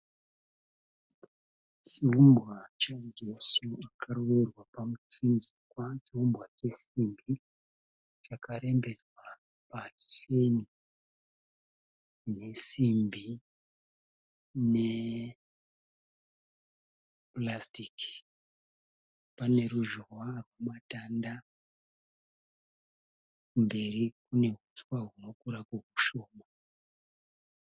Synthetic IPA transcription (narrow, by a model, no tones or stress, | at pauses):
t͡ʃiumbwat͡ʃad͡ʒesuakʰarowerwapamut͡sinzikwat͡ʃiumbwat͡ʃe̞simbʱi | t͡ʃakaɾe̞mbe̞d͡zwa | pat͡ʃeni | ne̞simbʱi | ne | plastiki̥ | pane̞ruʒowarwamatanda | mbe̞rikune̞ɦuswaɦuno̞kuɾakuɦuʃo̞ːma